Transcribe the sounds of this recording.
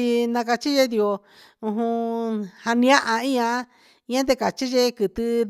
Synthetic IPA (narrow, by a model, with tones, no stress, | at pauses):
i˧nã˧ka˧t͡ʃi˦ʒe˧˦d̪i˧o˧ | ũ˧ɦũ˧ha˧nĩ˧ã˦ʔa˧ĩ˦ɲã˧˦ | i˧ɲã˦t̪e˧ka˨t͡ʃi˦ʒe˦kɨ˨t̪ɨ˧